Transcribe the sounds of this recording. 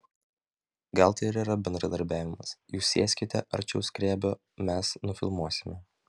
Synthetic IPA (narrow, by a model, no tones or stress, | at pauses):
ɡɐlˠt̪ɐɪɪɾiːɾɐbʲɛnd̪ɾɐd̪ɐɾʲbʲæːʋʲɪmɐsjuːsʲːeɛsʲkʲɪt̪ʲɛ̰ʔɐ̰ɾʲt͡ʃʲɛʊsʲkɾʲeːbʲo | mʲɛsnʊfʲɪ̰lˠmuɔsʲɪmʲɛ